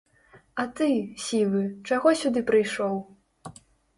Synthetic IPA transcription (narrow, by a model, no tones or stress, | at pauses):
ɐt̪ɨsʲilˠɨt͡ʂaɣɔsʲud̪ɨpɾɨjʂɔw